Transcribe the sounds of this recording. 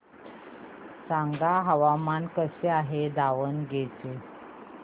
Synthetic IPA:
saŋɡaɦaʋamankəseaɦed̪aʋənɡet͡se

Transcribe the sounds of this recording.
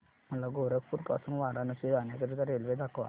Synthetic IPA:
m̤əlaɡoɾək̚puɾka̰sənʋaɾanəsid̪anjakəɾit̪aɾelʋed̪akʋa̰

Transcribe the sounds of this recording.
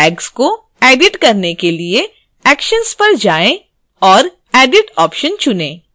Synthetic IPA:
ɛːksko | ɛːɖɪʈkɐɾnekelie | ɛːkʃənspɐɾd͡ʒaːẽ | ɔːɾ | ɛːɖɪʈɔːpʃənt͡ʃʊnẽː

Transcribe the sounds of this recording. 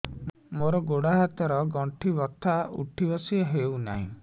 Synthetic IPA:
moɾɔɡoɽaɦat̪ɔɾɔɡɔɳʈʰibɔt̪ʰːauʈʰibɔsiɦewna̰ɦḭ̃

